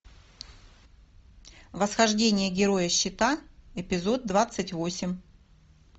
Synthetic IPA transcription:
vəsxɐʐdʲenʲɪjəɡʲɪɾo̞jəɕːɪt̪aɪpʲɪzo̞d̪̚d̪ːvat̪sɨtʲvo̞sʲɪmʲ

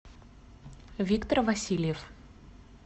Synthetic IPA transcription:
vʲikt̪ərvɐsʲilʲjɛf

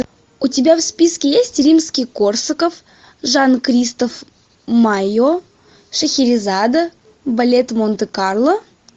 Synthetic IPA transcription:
ʊtʲɪbʲafspʲiskʲɪjesʲtʲrʲimskʲijkorsəkəf | ʐankɾʲist̪əf | majo | ʂəxʲɪɾʲɪzad̪ə | bɐlʲet̪mont̪ɨkarlˠə

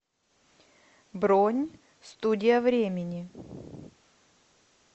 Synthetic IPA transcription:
bɾonʲ | st̪udʲɪjəvɾʲemʲɪnʲɪ

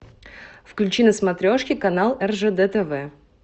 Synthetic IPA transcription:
fklʲʉt͡ɕinəsmɐt̪ɾʲoʂkʲɪkɐnalˠɛrʐɛd̪ɛt̪ɛvɛ

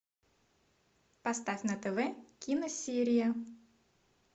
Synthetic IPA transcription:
pɐst̪afʲnət̪ɛvɛkʲinəsʲiɾʲɪjə

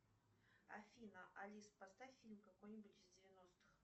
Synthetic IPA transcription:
ɐ̰fʲinəʔɐlʲispɐst̪afʲilʲmkɐkojnʲɪbʊtʲɪzdʲɪvʲɪnost̪ɨ̥x

